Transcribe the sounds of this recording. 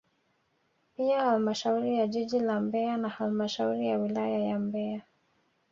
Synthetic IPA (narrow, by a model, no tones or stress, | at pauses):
piahalmaʃauɾijaʄiʄilambɛanahalmaʃauɾijawilajajambɛa